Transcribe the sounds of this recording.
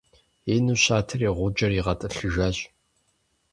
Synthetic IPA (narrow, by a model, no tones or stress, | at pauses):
eːnuɕaːtʰɨriːʁʷʊd͡ʒɐriʁɐtʼɨɬɨʒaːɕʼ